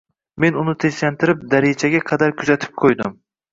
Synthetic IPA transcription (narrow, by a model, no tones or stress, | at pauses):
menʊnɪt̪ʰeʃlant̪ʰɪɾɪp̚d̪aɾed͡ʒʰaɡʲaqʰɑd̪aɾkʲʰʊzat̪ʰɪ̥p̚qʰojd̪ɪm